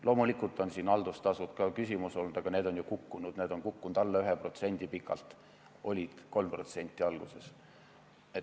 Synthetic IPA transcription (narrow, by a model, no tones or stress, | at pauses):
lʔo̞ːmulikːˑult̪ːˑo̞nsiːnɑld̪̥ust̪ɑsut̪kɑkysʲimuso̞lnud̪̥ɑɡ̥ɑne̞ːd̪o̞njukukːunud̪̥neːd̪o̞nkukːunud̪ɑlːeyɦepro̞t̪se̞nʲd̪̥ipikːˑɑ̰lt̪ˑ | ʔo̞lʲid̪̥ko̞lmpro̞t̪se̞nʲt̪ʲːˑiɑlɡ̥use̞s | e